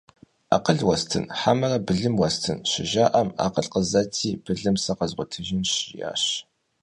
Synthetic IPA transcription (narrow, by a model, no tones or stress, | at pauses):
a̰ːqəɮwɐstʰɨ̰nħamɐrɐbɨɮɨmwɐstʰɨnʃɪʒaːʔɐma̰ːqəɬqəzɐtʰiːb̥ɨɮɨmsɐqɐzʁʷʊtʰɨʒɪnʃja̰ːɕ